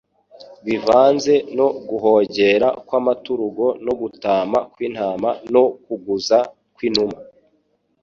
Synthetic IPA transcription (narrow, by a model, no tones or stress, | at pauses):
βivaːnze̞no̞ɡuɦo̞ːɟe̞ɾakwaːmatuɾuɡo̞noɡutaːmakwiːn̥haːmano̞kuɡuza | kwiːnuma